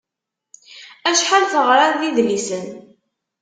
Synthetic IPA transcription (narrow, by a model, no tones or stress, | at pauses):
æʃħalθəʁɾaðiðlisən